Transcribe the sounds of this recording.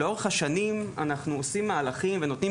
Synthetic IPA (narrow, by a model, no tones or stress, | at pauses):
eo̞ʁeχhaʃanima̰naχnuosimːaːlaχimveno̞t̪ni